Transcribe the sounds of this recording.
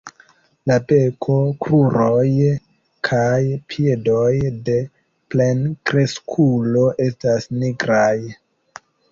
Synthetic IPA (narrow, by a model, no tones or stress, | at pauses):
lape̞kʰo̞kɾuɾo̞j | kʰajpʰiedo̞jde̞ | ple̞nkɾe̞skʰulo̞ʔe̞stasniɡɾaj